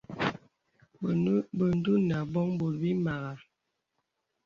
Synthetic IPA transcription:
bə˨n˦du˦na˨bɔ˦ŋbo˨lbi˦ma˨ɣa˨

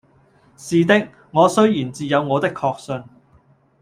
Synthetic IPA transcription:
siː˨t̪ɪ˥k̚ | ŋɔː˨˧sɵ˥ɥjiː˨˩nt͡siː˨˧jɐ˨˧wŋɔː˨˧t̪ɪ˥kʰːɔː˧k̚sɵ˧n

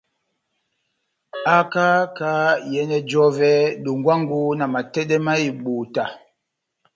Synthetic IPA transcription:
a˦ka˦ka˦jɛ˦nɛ˦d͡ʒɔ˦vɛ˦ɗu˨ŋɡwa˦ŋɡu˦na˨ma˨tɛ˦ɗɛ˦ma˦i˨ɓu˨ta˨

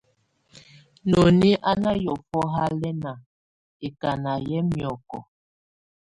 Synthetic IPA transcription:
no˨ni˦ʔa˦na˦jɔ˨fɔ˦ɦa˦lɛ˦na˨ | e˨ka˨na˨jɛ˦mjɔ˨kɔ̰˨

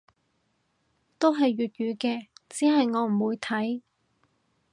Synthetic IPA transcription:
t̪o˥wɦɐ˨jːyː˨t̚jyː˨˧kɛː˧t͡siː˨˥ɦɐ˨jŋɔː˨˧m̩˨˩wuː˨˧jt̪ʰɐ˨˥j

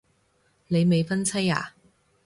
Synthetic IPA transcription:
ne˨˧jme˨˧jfɐ˥nt͡sʰɐ˥ja̰ː˨˩

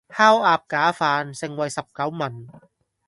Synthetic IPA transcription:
haː˥waː˧p̚kaː˨˥faː˧nsɪ˨˧ŋwɐ˨jsɐ˨p̚kɐ˨˥wmɐ˨˩n

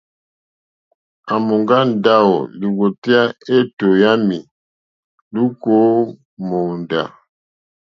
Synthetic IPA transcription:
a˨mo˨ŋɡa˦n˦˨da˦o̰˨li˨ɣo˨ti˦a˦e˦to˨ja˦mi˨ | lu˦ko˦ | mo˨nda̰˨

